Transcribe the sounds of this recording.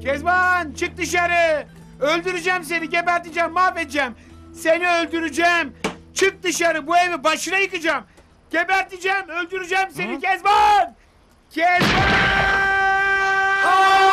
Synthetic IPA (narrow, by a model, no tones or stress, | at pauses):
cʰɛzbant͡ʃʰɯk̚d̪ɯʃ̬aɾɯ | ølʲd̪yɾyd͡ʒæms̬e̞niɟebæɾt̪id͡ʒɛmːaːfed̪id͡ʒɛmseniølʲd̪yɾyd͡ʒɛmt͡ʃʰɯk̚d̪ɯʃaɾɯbuevibaʃɯnajɯkɯd͡ʒam | ɟ̥ʲebæɾt̪id͡ʒæmølʲd̪yɾyd͡ʒɛmsenicʰɛzban | cʰɛzba